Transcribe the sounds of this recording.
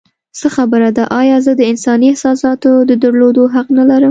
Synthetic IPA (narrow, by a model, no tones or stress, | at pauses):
səxabəɾad̪aʔɑjɑzəd̪əɪnsɑniɪhsɑsɑt̪od̪əd̪əɾlod̪oɦaqnalaɾəm